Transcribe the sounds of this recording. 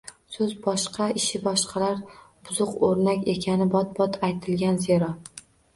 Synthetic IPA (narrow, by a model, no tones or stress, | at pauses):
sɵzbɒʃqʰɑɪʃɪbɒʃqʰɑlaɾb̥ʊzʊqoɾnakʲe̞kʲʰanɪbɒt̪̚bɒt̪ʰajt̪ʰɪlɡʲanzeɾɒ